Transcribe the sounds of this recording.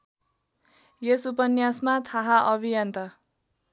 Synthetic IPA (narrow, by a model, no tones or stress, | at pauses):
jesupʌnjasmat̪ʰaɦaʔʌbʱijʌnt̪ʌ